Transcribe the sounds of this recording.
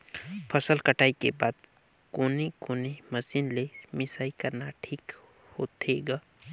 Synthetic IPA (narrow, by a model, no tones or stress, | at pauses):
pʰəsəlkəʈʰaːikebaːd̪ | koːnikoːneməsiːnlemɪsaːikəɾnaʈʰiːk | hot̪eɡaː